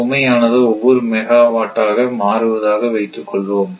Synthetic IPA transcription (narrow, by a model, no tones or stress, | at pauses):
ɔmɐjaːnɐðɯɔʋːɔɾɯmɛɣaːʋaːʈːaːɣɐmaːɾɯʋɐðaːɣɐʋɐɪt̪ːɯkːɔɭʋoːm